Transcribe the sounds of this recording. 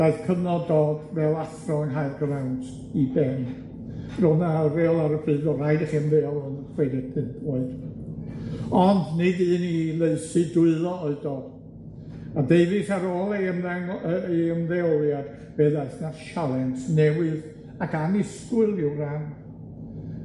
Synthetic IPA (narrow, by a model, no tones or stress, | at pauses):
d̥aɨθkʰənɔdoːd̥vɛlˠaθrɔənɦajrɡərawntʰ | ibɛm | rɔnaɾeːɔlˠaɾəfɨːðɔrajdaχiəmðɛɔlˠɔnχwedɛdʰɨnboɨd̥ | ɔndnɪdɨːnilˠeɨsɨdʊɨlˠɔɔɨdoːd̥ | adeɨvɨθaɾoːlˠemðɛŋəeəmðɛɔlˠjad̥ | b̥ɛðaɨθnaʃalˠɛntʰnɛwɨð | akanɪskwɨlˠɪwran